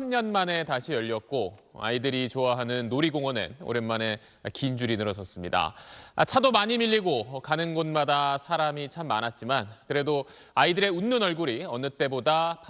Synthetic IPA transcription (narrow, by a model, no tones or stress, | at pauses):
mɲʌnmane̞taɕʰijʌʎːʌk̚k͈oa̰idɯɾit͡ɕoaɦanɯnːoɾiɡoŋʌnḛno̰ɾe̞nmane̞ | kind͡ʑuɾinɯɾʌsʰʌs͈ɯmɲida̰a̰t͡ɕʰadomaɲimiʎːiɡokanɯnɡʌnmadasʰaɾamit͡ɕʰamːanat̚t͡ɕ͈imankɯɾe̞doaidɯɾe̞unːonʌɭɡuɾiʌnɯt͈e̞bodapʰ